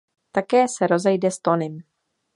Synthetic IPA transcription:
t̪akɛːsɛɾo̞zɛjdɛst̪onɪm

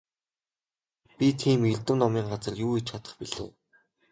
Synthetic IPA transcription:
pʲit̪ʰiːmiɮʲt̪ɘ̆mnɔmiːŋɢat͡sə̆rjuːet͡ɕʰat̪ə̥̆χpiɮɘ̰̆ː

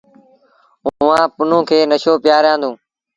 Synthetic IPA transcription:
ʊãːpʊn̤ũːkʰeːnəʃoːpɪjaːɾjãːnd̪ũː

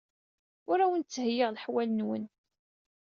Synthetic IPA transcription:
ʊɾæwənt͡sːəhjːɪʁlħwælənwə̰n

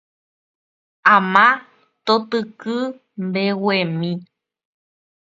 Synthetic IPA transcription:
ãmã | t̪ot̪ɨkɨ | mbewemĩ

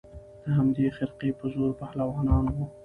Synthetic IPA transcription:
d̪̥əɦamd̪exɪɾqepəzoɾpahlawɑnɑnwo

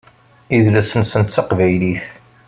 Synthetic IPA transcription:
iðlæsənsənt̪t͡sːɑqvæjliθ

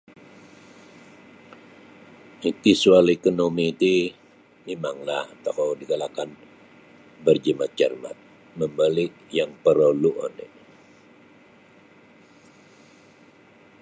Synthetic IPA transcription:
it̪isualekonomiːt̪i | memaŋlaht̪ahowdiɡalakan | bərd͡ʒəmat͡ʃə̰rma̰t̪̚ | məmbalɪʔjaŋpəɾoluʔo̰nɛ̰

